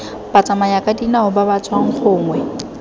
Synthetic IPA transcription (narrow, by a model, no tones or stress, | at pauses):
b̥at͡sʼamajakʼadinaʊbabat͡sʼwaŋ̩k͡xʰʊːŋwɛ